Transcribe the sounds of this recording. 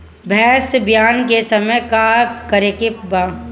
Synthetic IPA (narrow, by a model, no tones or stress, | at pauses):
bʱɛːsbjaːnkesəməjkaːɾkəɾekɪpbaː